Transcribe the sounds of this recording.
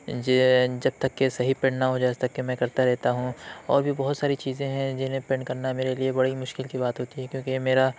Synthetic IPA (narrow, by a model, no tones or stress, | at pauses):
d͡ʒɐb̚t̪ɐkːesɐɦipẽːɳɖnaɦod͡ʒaːst̪ɐkːemɛ̃ːkɐɾt̪aɾɛɦt̪aɦũɔ̰ːɾbʱibɐɦʊt̪saːɾit͡ʃiːzẽɦɛ̃d͡ʒɪnɦẽpẽːɳɖkɐɾnameːɾeliebɐɽimʊʃkɪlkibaːt̪ɦoːt̪iɦɛkjõːkimeːɾa